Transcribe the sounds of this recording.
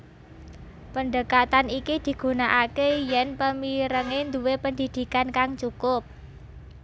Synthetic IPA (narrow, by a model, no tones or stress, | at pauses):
pəndəkat̪anikid̪̥i̤ɡ̥ṳnaʔakejɛnpəmiɾəŋend̪uwepənd̪id̥̪i̤kankaŋt͡ʃukʊp̚